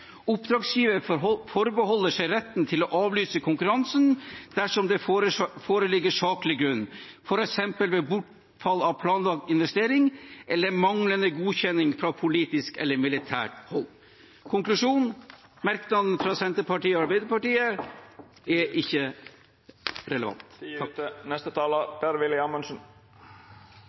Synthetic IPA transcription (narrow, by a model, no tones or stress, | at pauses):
ʊpd̪ɾɑːɡsjiːʋəfɔɾbəhɔlːəʂæɪɾɛt̪nt̪ʰɪlɔʔɑːʋlyːsəkʰʊŋkʉɾɑnsənd̪̥æʂɔmd̪ɛfoːɾəlɪɡːəʂɑːklɪɡɾʉnːfɔɾɛksɛmpəlʋɛbʊʈ | fɑlːɑʋpʰlɑːnʋɑk̚t̪ɪnʋɛst̪eːɾɪŋʔɛlːəɾmɑŋlənəɡuːçɛnːɪŋfɾɑpʰʊliːt̪ɪskɛ̰lːəɾmɪlɪt̪ʰæ̰ːɾhɔlː | kʰɔŋklʉʂuːnmæɾknɑd̪n̩fɾɑsɛnt̪əɾpɑʈiːɔɑɾbæɪd̪əɾpʰɑʈiːə | ɛʔɪçːə | ɾɛləʋɑ̰nt̪ | nɛst̪ət̪ʰɑːlab̥ɛɾʋɪlɪɑmɑnsɔn